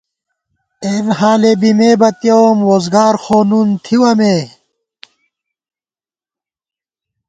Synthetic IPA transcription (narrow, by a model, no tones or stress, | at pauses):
enɦaːlebimeːbɐt̪jomɾoːzɡaːɾxoːnunt̪ʰiwɐmeː